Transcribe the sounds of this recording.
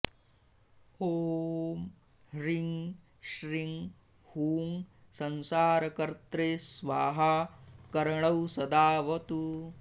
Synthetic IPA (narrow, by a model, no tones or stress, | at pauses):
hoːm | ɾiŋ | ʃɾiŋ | huːŋ | sɐnsaːɾɐkɐɾt̪ɾesʋaːɦakɐɾɐɳɐwsɐd̪aːʋɐt̪u